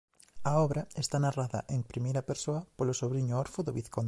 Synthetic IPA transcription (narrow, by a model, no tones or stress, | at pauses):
ɐɔβɾaest̪anaraðɐ̰ʔeŋpɾimejɾɐpeɾsoɐpolosoβɾiɲʊoɾfoðoβiθkon